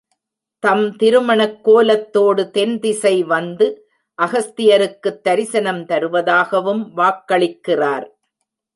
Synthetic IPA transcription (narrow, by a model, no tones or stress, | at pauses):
t̪ɐmt̪ɪɾɯmɐɳɐkːoːlɐt̪ːoːɽɯt̪ɛnd̪ɪsɐɪʋɐnd̪ɯ | ʔɐɣɐst̪ɪjɐɾɯkːɯt̪ːɐɾɪsɐnɐmt̪ɐɾɯʋɐðaːɣɐʋɯmʋaːkːɐɭɪkːɪraːɾ